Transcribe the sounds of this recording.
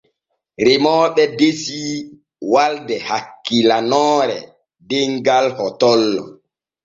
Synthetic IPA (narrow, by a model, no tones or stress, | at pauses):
ɾemɔːɓɛdesi | waldɛhakːilanɔːɾɛ̰ | deŋɡalhɔtɔlːɔ̰